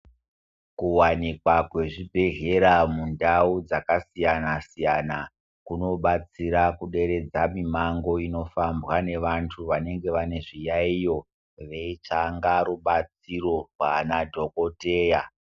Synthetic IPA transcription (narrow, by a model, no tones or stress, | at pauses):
kuwanikwakwe̞ʐibʱe̞ɦe̞ɾamundaud͡zakasijanasijana | kuno̞ɓat͡siɾakuɗe̞ɾe̞d͡zamimaŋɡo̞ino̞fambwane̞ʋantʰuʋane̞ŋɡe̞ʋane̞ʐijaijo̞ | ʋe̞it͡ʃaŋɡaɾuɓat͡siɾo̞rwa̰nadʱo̞ko̞te̞ːja